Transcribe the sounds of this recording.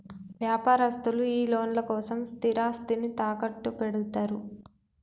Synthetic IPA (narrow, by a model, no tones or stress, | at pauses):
ʋjaːpaːɾɐst̪uluiːlo̞ːnlɐkɔːsɐmst̪iɾaːst̪init̪aːkɐʈːupeɽut̪aːɾu